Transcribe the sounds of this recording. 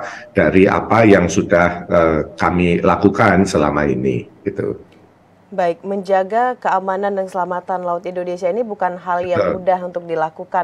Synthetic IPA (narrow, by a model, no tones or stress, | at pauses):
d̥aɾiʔa̰pajaŋsudahəkamilakukansəla̰maḭnḭɡ̥it̪ṵ | baɪk̚məɲd͡ʒaɡakəamanandaŋsəlamat̪anlaʊt̪indonesiainibukanɦaljaŋudaɦunt̪ʊk̚dilakuka